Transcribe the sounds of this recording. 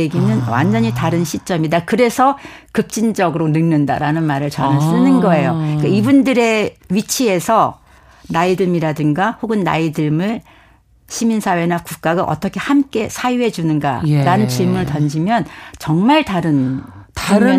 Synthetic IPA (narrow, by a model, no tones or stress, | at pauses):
eɡinɯnwa̰nd͡ʑʌɲitaɾɯnɕʰit͡ɕ͈ʌmidakɯɾe̞sʰʌkɯp̚t͡ɕ͈ind͡ʑʌɡɯɾonɯŋnɯnda̰ɾanɯnmaɾɯɭt͡ɕʌnɯs͈ɯnɯnɡʌe̞jok͈aibundɯɾe̞ɥit͡ɕʰie̞sʰʌ | naidɯmiɾadɯŋɡahoɡɯnːa̰idɯmɯɭ | ɕʰiminsʰawe̞nakuk̚k͈aɡaʔʌt͈ʌkʰe̞hamk͈e̞sʰajuɦe̞d͡ʑunɯnɡa̰ɾanɯnt͡ɕiɭmunɯɭtʌnd͡ʑimjʌnt͡ɕʌŋmaɭtaɾɯntɾɯ